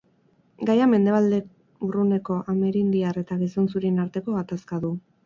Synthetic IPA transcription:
ɡajame̞nd̪e̞β̞ald̪e̞ | urune̞ko̞ʔame̞ɾind̪iare̞t̪aɣ̞iso̞nsuɾinaɾt̪e̞ko̞ɣat̪askaðu

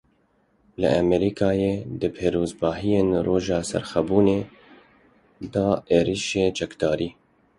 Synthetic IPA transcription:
lɨ̰ʔɛmɛɾiːkʰɑːjeːd̪ɨpʰeːɾoːzbɑːɦijeːnroːʒɑːsɛ̰ɾxɛbuːneː | d̪ɑːʔeːɾiːʃeːt͡ʃɛkd̪ɑːɾiː

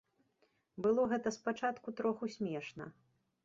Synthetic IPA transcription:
bɨlˠɔɣɛt̪ɐspat͡ʂat̪kut̪ɾɔxusʲmʲɛʂnɐ̰

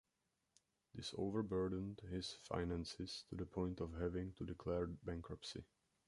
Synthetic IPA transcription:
d̪ɪso̰ʊvəɹbɜɹdən̩dhɪsfa̰ɪnæ̃nsɪstʰudəpʰɔ̃j̃ntɔvɦɛvɪ̃ŋtudɪkʰlɛɹbæ̃ŋkɹɔpsḭ

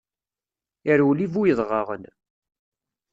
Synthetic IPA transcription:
ɪɾuwlivujəðˤʁɑʁə̰n

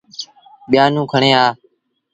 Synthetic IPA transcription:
ɓɪjaːnũːkʰəɳẽːaː

